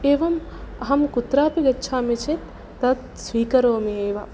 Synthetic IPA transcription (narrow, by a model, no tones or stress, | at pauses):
eːʋɐmɐɦɐmkut̪ɾaːpiɡɐtːt͡ʃʰaːmit͡ʃʰet̪ː | ɐt̪̚ | sʋiːkɐɾoːmieːʋɐ